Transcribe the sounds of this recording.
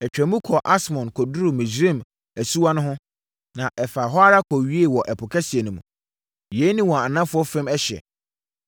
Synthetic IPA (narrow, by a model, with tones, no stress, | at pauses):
ɛ˨t͡ɕᶣæ̃˨mũ˦kʰɔ˨ʔa˦smɔ̃˨nkʰɔ˨du˦ɾu˨mɪ̃˨d͡ʑɾĩ˦˨m | æ˨su˦wa˦nʊ̃˦ɦʊ̃˦ | nã˨ʔɛ˨fa˨ɦɔ˦a˦ɾa˦kʰɔ˨ɥi˦e˦˨wɔ˨ʔɛ˨pʰʊ˨kʰɛ˦sɪ˨ɛ˨nʊ̃˨mũ˨ | jɛ˨˦nĩ˦wɔ̃˨a˨nã˦fʊ˦ɔ˦fɪ̃˦mɛ˦ɕɛ̰˨